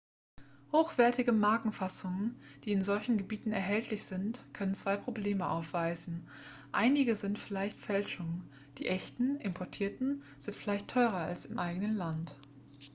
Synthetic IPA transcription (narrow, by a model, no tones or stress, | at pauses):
hoːxv̥ɛɐtɪɡəmaɐkŋ̩fasʊŋənd̥iːɪnzɔlçn̩ɡəbiːtn̩ɛ̰ɐɦɛltʰlɪçz̥ɪntkʰœnənt͡sv̥aɪpʁ̥obleːməʔa̰ʊfv̥aɪzn̩ | ʔa̰ɪnɪɡəzɪntfɪlaɪçtfɛlʃʊŋ | d̥iːʔɛçtn̩ʔɪmpʰɔɐtʰiːɐtn̩ | z̥ɪntfɪlaɪçtʰːɔʏʁɐa̰lsɪmʔaɪɡənənlant